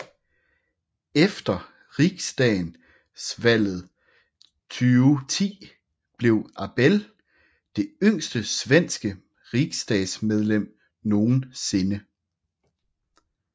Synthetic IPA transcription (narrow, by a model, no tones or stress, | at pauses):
efd̥ɐ | ʁiɡ̥sd̥ɛɪn | sʋæl̰ð̩ˠ | t͡sʰyːʊt͡sʰḭː | b̥le̝ʊæb̥el | d̥e̝øŋ̰sd̥əsʋen̰sɡ̥ə | ʁiɡ̥sd̥ɛ̰̥ːsmeð̞ˠlem̰ | no̝ːn̩se̝nə